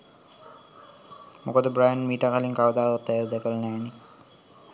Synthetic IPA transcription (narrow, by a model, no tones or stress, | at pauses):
mokəd̪əbɾajənmiːʈakaliŋkaʋəd̪aːɾat̪ːæjəd̪ɛkəlnæːni